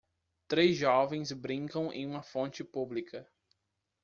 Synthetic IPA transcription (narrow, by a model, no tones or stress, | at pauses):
t̪ɾezʒɔvẽj̃sbɾĩŋkɐ̃w̃ḛ̃j̃ũmɐfõnt͡ʃɪpublikɐ